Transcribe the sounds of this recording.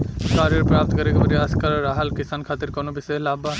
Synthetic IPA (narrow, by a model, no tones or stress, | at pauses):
kaːɾjəɾpɾaːp̚t̪kɐɾekebɐɾiaskaɾɾaːɦɐlkɪsaːnkʰaːt̪ɪɾkonobɪselaːba